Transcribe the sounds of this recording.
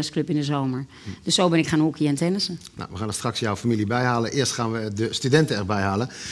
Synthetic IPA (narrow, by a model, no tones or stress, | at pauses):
əskløpɪndəzowməɹ | d̥øsːowbɪnɪkχaːnukʰiɛntɛnəsəna̰ʋəxaːndstraksjɔwfamilibɛjɦaːlənʔɪːrstxaːnʋədəstydɛntəɛrbɛjɦaːlən